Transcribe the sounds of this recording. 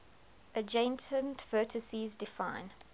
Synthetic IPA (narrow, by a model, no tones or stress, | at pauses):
ʔəd͡ʒẽntʰə̃ntvɜːˑtʰəsizdɪfãɪ̃n